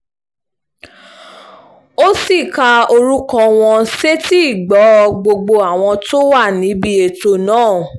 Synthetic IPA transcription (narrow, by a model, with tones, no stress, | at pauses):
o˦si˦˨ka˧o˧ɾu˦kɔ̃˧w̃ɔ̃˧se˦ti˦i˦˨ɡ͡bɔ˨˦˧ɡ͡bo˧ɡ͡bo˧a˨w̃ɔ̃˧to˦wa˦˨nĩ˨˦bi˧e˨to˧nãː˦˨